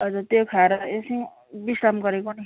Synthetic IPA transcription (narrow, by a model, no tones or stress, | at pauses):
ʌd͡zut̪jokʰaɾʌesĩ | bisɾamɡʌɾekonʌ